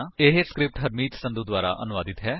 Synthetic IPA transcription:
ɪɦeskɾɪp̚ʈɦəɾmiːt̪sənd̪uːd̪waːɾa̰ːʔənʊʋaːd̪ɪt̪ɦɛː

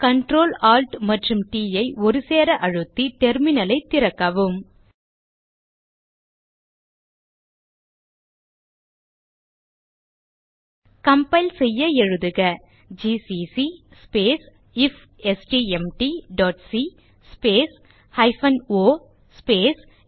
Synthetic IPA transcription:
kɐɳʈɾoːlaːlʈmɐʈrɯmʈiːjɐɪʔɔɾɯseːɾɐʔɐɻɯt̪ːiʈɛɾmɪnɐlɐɪt̪ːɪɾɐkːɐʋɯm | kɐmpɐɪlsɛjːɐɛɻɯðɯɣɐ | d͡ʒiːsisispeːs | ɪf | ɛsʈiɛmʈiɖɔːʈsi | speːs | hɐɪfɐnoː | speːs

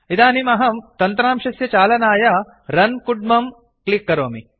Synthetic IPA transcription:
id̪aːnimɐɦɐmt̪ɐnt̪ɾaːmʃɐsjɐt͡ʃaːlɐnaːjɐ | ɾɐnkuɖ̚mɐm | klikːɐɾoːmi

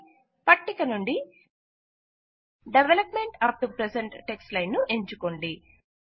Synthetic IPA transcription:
pɐʈːikɐnuɳɖi | ɖeʋelɐpme̞ɳʈɐp̚ʈupɾeseɳʈːeksʈlɐjnːuʔe̞ɲt͡ʃukoɳɖi

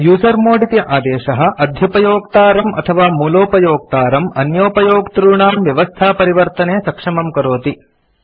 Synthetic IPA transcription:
juːsɐɾmoːɖit̪jɐʔaːd̪eːʃɐɦɐ̆ʔɐd̪ʱjɐpɐjoːk̚t̪aːɾɐmʔɐ̰t̪ʰɐʋaːmuːloːpɐjoːk̚t̪aːɾɐmɐnjoːpɐjoːɡt̪ɾuːɳaːmʋjɐʋɐst̪ʰaːpɐɾiʋɐɾt̪ɐneːsɐkʂɐmɐmkɐɾoːt̪i

